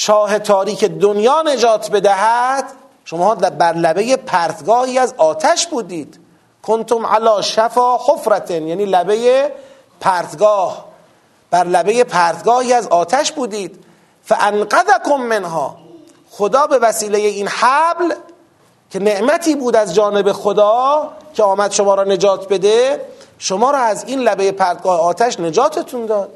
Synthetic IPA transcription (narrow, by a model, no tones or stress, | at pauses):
ʃɒːhe̞t̪ʰɒːɾiːkʰed̪onjɒːne̞d͡ʒɒːt̪ʰbe̞d̪æɦæd̪̥ | ʃomɒːdbæɾlæbe̞jepʰæːɾt̪ɡɒːhiːæzɒːt̪ʰæʃbuːd̪iːd̪̥ | kʰont̪ʰomʕa̰lɒːʃæfɒːxofɾæt̪ʰnjæːniːlæbe̞je | pʰæːɾt̪ɡɒːh | b̥æɾlæbe̞je̞pʰæːɾd̪ɡɒːhiːæzɒːt̪ʰæʃbuːd̪iːd̪̥ | fæʔænqæðækʰomːenɦɒ̰ː | xod̪ɒːbe̞væsiːlejeiːnhæbl | kʰe̞ne̞ʔmæt̪ʰiːbuːd̪æzd͡ʒɒːne̞bexod̪ɒːkʲʰeɒːmæd̪ʃomɒːɾɒːne̞d͡ʒɒːt̪ʰbe̞d̪eʃomɒːɾɒːæziːnlæbejepʰæɾd̪̚ɡɒːheɒːt̪ʰæʃne̞d͡ʒɒːt̪ʰet̪ʰund̪ɒːd̪̥̚